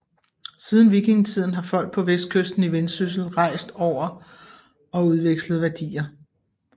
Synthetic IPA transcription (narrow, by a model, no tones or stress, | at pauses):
siːð̞ˠn̩ʋiɡ̥e̝ŋt͡sʰið̰ˠn̩ɦɑ̈fɒ̽l̰ɡ̥̚pʰɒ̽ʋesd̥̚kʰøsd̥n̩iʋensys̬l̩ʁɑ̈ɪ̰sd̥ɒʊ̰ɐ | ɒ̽uð̞ˠʋeɡ̥slð̞̩ˠʋæɐd̥ḭːɐ